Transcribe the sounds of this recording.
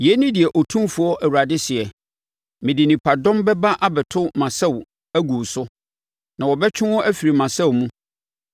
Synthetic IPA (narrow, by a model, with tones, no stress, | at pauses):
jɛ˨˦nĩ˦dɪ˨ɛ˨ʔɔ˨tʰũ˦mfʊ˨˦ɔ˦ʔæ˨wu˨ɾa˨dɪ˦sɪ˨ɛ˨ | mɪ̃˨dɪ˨nĩ˨pʰa˨dɔ̃˦mbɛ˦ba˦ʔa˦bɛ˨tʰʊ˦mã˨sɛ˦˨w | æ˦ɡu˨sʊ˦ | nã˨wɔ˨bɛ˦t͡ɕʰᶣɪ̃˦ɔ˦ʔæ˦fi˨ɾi˨mã˨sɛ˦wmũ˦